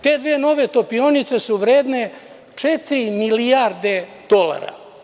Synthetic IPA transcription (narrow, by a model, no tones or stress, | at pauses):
t̪e̞ːd̪ʋeeno̞ʋet̪opionit̪se̞suʋɾeːd̪ne | t͡ʂet̪ɾimilijaɾd̪ed̪̥o̞la̰ɾa̰